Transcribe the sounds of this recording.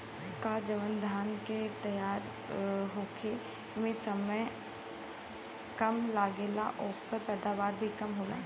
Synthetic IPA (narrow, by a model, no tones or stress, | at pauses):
kad͡ʒəʋənd̪ʱaːnket̪ɐjaːɾ | ɦoːkʰe | mẽsɐməj | kɐmlaːɡela̰ʔɔːpəɾpɛːd̪aːʋaːɾbʱikɐmɦoːɡa̰ː